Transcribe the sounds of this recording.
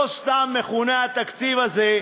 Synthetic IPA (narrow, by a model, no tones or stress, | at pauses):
st̪aːmːexuːnaːt̪ɐkt͡siːʋɐze